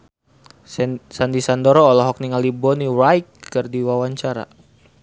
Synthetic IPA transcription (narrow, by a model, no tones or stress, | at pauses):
sandisandɔɾɔːlɔɦɔk̚niŋalibɔnirajk̚kɨrdiwawaɲt͡ʃaɾa̰